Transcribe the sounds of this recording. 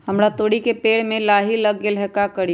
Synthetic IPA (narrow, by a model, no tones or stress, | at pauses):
həmɾat̪oːɽikepeːɽmẽlaːɦiləɡelɛkakəɽi